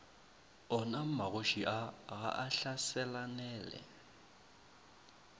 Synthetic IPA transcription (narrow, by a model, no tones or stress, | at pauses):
ɔnam̩maɣoʃiʔaɣa̰ʔaɬasɛlanɛːlɛ̰